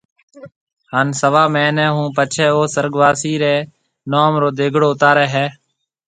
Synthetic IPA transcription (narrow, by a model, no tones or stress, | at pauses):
haːnsəʋaːmɛ̃ːnɛ̃ːɦũːpət͡ʃʰɛːoːsəɾɡʋaːsiːɾeː | noːmɾoːd̪eːɡʱɽoːʊt̪aːɾeːɦɛː